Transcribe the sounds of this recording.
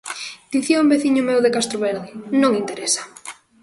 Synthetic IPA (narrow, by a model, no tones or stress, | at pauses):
d̪̥iθjombeθiɲʊmewðekast̪ɾoβeɾðɪnõŋint̪eɾesḁ